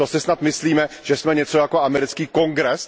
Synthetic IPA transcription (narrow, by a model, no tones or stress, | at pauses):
t̪osɪsnat̪mɪsliːmɛʒ̥ɛsmɛɲɛt͡so̞jakoamɛɾɪt͡skiːko̞ŋɡɾɛs